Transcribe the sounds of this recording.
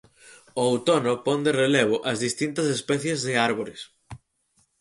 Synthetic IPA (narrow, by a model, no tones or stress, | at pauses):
ʊwt̪onopɔnd̪ereleβ̞ʊʔɐzðist̪int̪ɐsespɛθjezðɪaɾβ̞oɾɪs